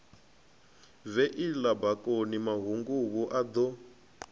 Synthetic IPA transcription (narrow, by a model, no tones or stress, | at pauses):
vɛʔilabakʼonimaɦuŋɡuβuʔad̪ɔ